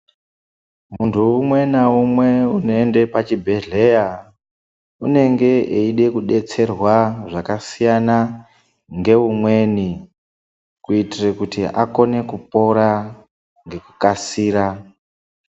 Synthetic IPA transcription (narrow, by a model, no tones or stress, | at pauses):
muntʰuːmwe̞naumwe̞unoende̞pat͡ʃibʱe̞ɮe̞ja | une̞ŋɡe̞ʔeiɗe̞kuɗe̞t͡se̞rwaʐakasijana | ŋɡe̞umwe̞ni | kuitirekutiako̞ne̞kupo̞ɾa | ŋɡe̞ku̥kasiːɾa